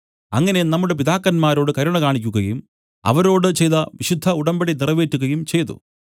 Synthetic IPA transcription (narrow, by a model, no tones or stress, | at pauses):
ɐŋːɐne̞nɐmːuɽep̬iðaːkːɐnmaːɾo̞ːɽɨkɐɾuɳɐkaːɳikʲːuɣɐjum | ɐ̰ʋɐɾo̞ːɽɨt͡ɕe̞jt̪ɐʋiɕud̪ʱːɐuɽɐmbɐɽinirɐʋe̞ːtːuɣɐjumt͡ɕe̞jt̪ṵ